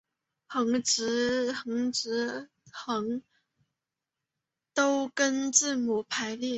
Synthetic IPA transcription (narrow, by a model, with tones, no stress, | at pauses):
xɤ˧˥ŋʈ͡ʂɻ̩˧˥xɤ˧˥ŋʈ͡ʂɻ̩˧˥ | xɤ˧˥ŋ | t̪o˥ʊkə˥nʈ͡ʂɻ̩˥˩mu˧˥pʰa˧˥ɪli˥˩